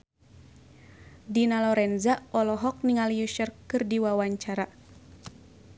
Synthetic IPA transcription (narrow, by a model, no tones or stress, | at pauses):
dinalɔɾɛnzaɔlɔɦɔk̚niŋalijuʃərkɨrdiwawaɲt͡ʃaɾa